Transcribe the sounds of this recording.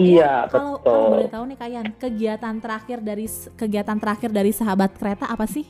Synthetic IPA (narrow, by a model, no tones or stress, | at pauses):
ijabəalot̪ʊlat̪aunɪkajankəɡiat̪ant̪əɾaxɪrdaɾiskəɡiat̪ant̪əɾaxɪrdaɾisaɦabat̪̚kəɾet̪aʔːpasɪh